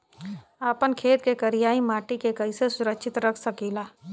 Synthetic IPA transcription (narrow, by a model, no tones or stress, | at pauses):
aːpənkʰeːt̪kekəɾijaːimaːʈikekəisesʊɾəkʃʰɪt̪ɾəkʰsəkiːlaː